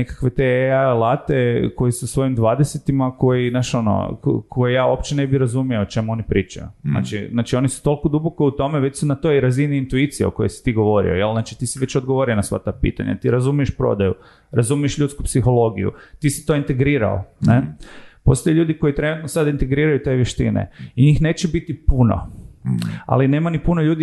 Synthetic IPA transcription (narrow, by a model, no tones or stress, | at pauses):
nekḁkʋe̞t̪ealˠat̪eko̞jisusʋo̞jimd̪ʋaːd̪eset̪imako̞jinaʃo̞no̰kʰojejaːo̞pt͡ʃene̞biɾazumijoot͡ʃe̞muo̞nipɾiːt͡ʃa̰jṵzna̰ːt͡ʃiznaːt͡ʃio̞nisu̥t̪olkod̪ubokout̪o̞meʋe̞t͡ɕsunat̪o̞iɾaziniint̪uit̪sijeo̰kojesi̥t̪iɡo̞ʋo̞ɾḭo̞̰jelˠznaːt͡ʃit̪iːsiʋet͡ɕod̪ɡoʋo̞ɾionasʋa̰t̪apḭːt̪a̰ɲa̰t̪iɾazumije̞ʃpɾo̰d̪ajṵ | ɾazumie̞ʃʎʲut̪skupsixo̞lˠo̞ɡijṵt̪iːsi̥t̪o̞ːint̪e̞ɡɾiːɾa̰o̰nepo̞st̪o̞jeʎʲuːd̪iko̞jit̪ɾe̞nut̪nosad̪int̪e̞ɡɾiːɾajut̪e̞ʋjeʃt̪ḭnḛiɲiːxne̞ːt͡ɕebit̪ipuno̰ | a̰line̞ːmanipunoʎuːd̪i